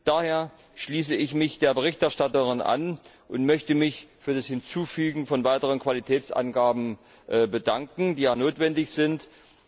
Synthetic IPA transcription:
d̥aːheːɐ | ʃliːs̬əɪçmɪçd̥eːɐbəʁ̞ɪçtɛɐʃtatəʁɪna̰n | ʔʊntmœçtəmɪçfyːɐdashɪnt͡suːfyːɡŋ̩fɔnvaɪtəʁənkv̥alitʰɛːt͡sʔa̰nɡaːbm̩ | ʔːbədaŋkŋ̩diːjaːnoːtv̥ɛndɪçz̥ɪnt

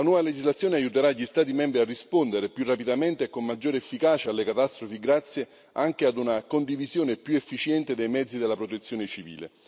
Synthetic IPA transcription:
lanwɔːvaled͡ʒizlat̪sːjoːneajut̪eɾaʎist̪aːt̪̬imɛmbɾiarːispond̪eɾepjurːapid̪ament̪ekːomːad͡ʒːoːɾeefːikaːt͡ʃaalːekat̪ast̪ɾofiɡɾat̪sːje | aŋk̟ead̪unakond̪ivizjoːnepjuefːit͡ʃjɛnt̪ed̪ejmɛd̪zːid̪elːapɾot̪et̪sːjoːnet͡ʃivḭːlḛ

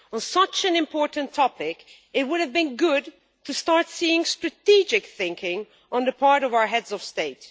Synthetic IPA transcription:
ə̃nsʌt͡ʃɨ̃nɨ̃mpʰɔɹʔn̩tʰːɔpɪk | ɨt̚wʊɾɨvbɨ̃nɡʊd̚ | tʰɨstɑɹtsiɪ̃ŋstɹ̥ɨtid͡ʒɨkθɪ̃ŋkɪ̃ŋ | ə̃nðəpʰɑɹɾʌvaʊə˞ɦɛdzʌv̥steɪt

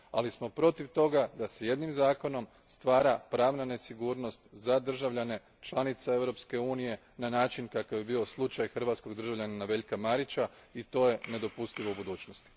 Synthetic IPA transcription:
a̰lismo̞pɾo̞t̪iʋt̪o̞ɡad̪ase̞je̞d̪nimzaːko̞no̞m | st̪ʋaːɾapɾaːʋnane̞siɡuːɾno̞st̪zad̪r̩ʒaʋʎane̞ | t͡ʃlˠanit̪sae̞ʋɾo̞pske̞uːnije̞ | nanaːt͡ʃinkakaʋjebio̞slˠut͡ʃajxr̩ʋaːt̪sko̞ɡd̪r̩ʒaʋʎananaʋe̞ʎkamaɾit͡ɕait̪o̞ːje̞ne̞d̪o̞pust̪iʋoubud̪uːt͡ʃnost̪i̥

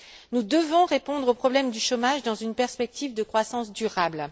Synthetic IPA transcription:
nud̪əvɔ̃ʁepɔ̃d̪ʁopχɔblɛmd̪yʃɔmaʒd̪ɑ̃zynpɛʁspɛk̚t̪ivd̪əkχwasɑ̃sd̪yʁabl

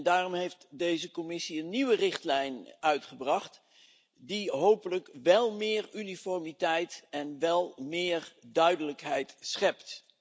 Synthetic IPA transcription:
ndaːrɔmɦejftdejzəkɔmɪsiənːiʋərɪχtlɛjnœɥtχəbrɑχt | diɦowpələkʋɛlˠmɪːɹynifɔɹmitɛjtɛnʋɛlˠmɪːrdœɥdələkɦɛjtsχɛpt

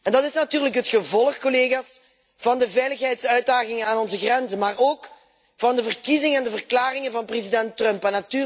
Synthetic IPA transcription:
ɛndɑtɪsnatyːrləkɦətxəvɔlˠəxkoleːɣaːs | v̥ɑndəvɛjləxɦɛjtsœɥt̚daːɣɪŋənaːnɔnzəɣrɛnzənmaːroːk | v̥ɑndəvərkizɪŋəɛndəvərklaːrɪŋəvɑnprezidɛntrœmpɛnːatyː

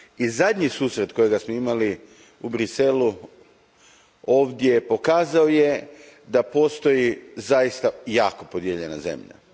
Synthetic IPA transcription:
izad̪ʲɲisuːsɾe̞t̪ko̞jeɡasmoimali | ubɾise̞lu | o̞ːʋd̪je̞po̞kaːzao̞je̞ | d̪apo̞ːst̪o̞jizajist̪ajaːko̞po̞d̪jeʎe̞na̰ze̞̰mʎa̰

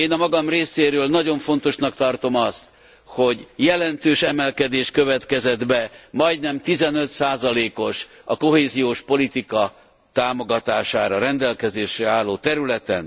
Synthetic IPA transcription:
eːnɒmɒɡɒmreːseːɾøːlnɒɟo̞ɱfo̞nt̪o̞ʃnɒkt̪ɒrt̪o̞mɒst̪ | ho̞ɟjɛlɛnt̪øːʃɛmɛlkɛd̪eːʃkø̞vɛt̪kɛzɛd̪bɛmɒjdnɛmt̪izɛnø̞t̪saːzɒleːko̞ʃ | ɒko̞ɦeːzijoːʃpo̞lit̪ikɒ | t̪aːmo̞ɡɒt̪aːʃaːɾɒɾɛnd̪ɛlkɛzeːʃɛaːlːoːt̪ɛɾylɛt̪ɛ̰n

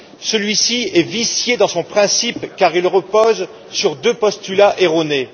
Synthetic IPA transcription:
səlɥisiɛvisjed̪ɑ̃sɔ̃pχɛ̃sipkaʁilʁəpoz | syʁd̪øpɔst̪ylaʔeʁone

